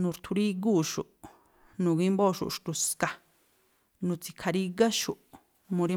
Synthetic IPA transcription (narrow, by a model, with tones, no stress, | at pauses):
nũ˨ɾt̪ʰu˧ɾi˦ɡuː˦˨ʃu˨ʔ | nũ˨ɡi˦mboː˦˨ʃṵ˨ʔʂt̪u˨˧ska˨ | nũ˧t͡si˧kʰa˧ɾi˦ɡa˦ʃu˨ʔ | mũ˧ɾi˧˦